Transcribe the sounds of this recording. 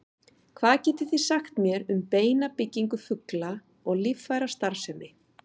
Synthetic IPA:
kʰvaːðcɛːt̪ɪθisaxt̪mjɛɾʏmpeːjnapɪcːiŋkʏfʏkla | ɔɣlifːajɾast̪aɾ̥sɛmːɪ

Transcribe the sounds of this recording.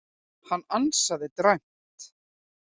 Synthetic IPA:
hanːansaðɪt̪ɾajm̥ | t̪

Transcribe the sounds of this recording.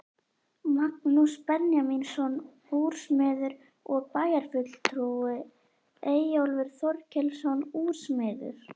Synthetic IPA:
mak̚nuspɛnjaminsɔn | uɾ̥smɪːðʏɾ | ɔɣpaːjaɾ̥fʏt̪l̥t̪ʰɾuɪ | eːjjowlvɪɾ̥θɔɾcʰɛlsɔnuːɾ̥smɪːðʏ̰ɾ̥

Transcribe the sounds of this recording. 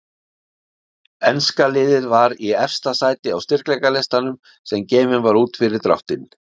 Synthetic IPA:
ɛnskalɪːðɪðvaɾiɛfst̪asaːjt̪ɪawst̪ɪr̥klɛjkalɛst̪anʏm | sɛmceːjvɪnvaɾuːt̪fɪɾɪɾt̪ɾa̰ft̪ɪn

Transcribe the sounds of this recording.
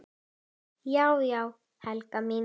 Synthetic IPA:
jawjaw | halkamɪ

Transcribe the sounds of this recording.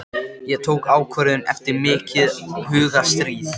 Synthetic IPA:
jɛɣt̪ʰoːwkaːwkʰœɾðʏnɛ̰ft̪ɪɾmɪːcɪðhʏːɣast̪ɾiːθ

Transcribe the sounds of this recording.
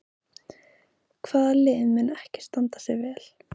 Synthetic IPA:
kʰv̥aːðlɪːɪðmɛnɛhcɪ̥st̪ant̪ḁsɛɣvɛːl̥

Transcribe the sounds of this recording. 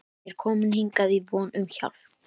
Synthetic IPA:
ɛɾkʰɔːmɪnhiŋkaðivɔːnʏmça̰v

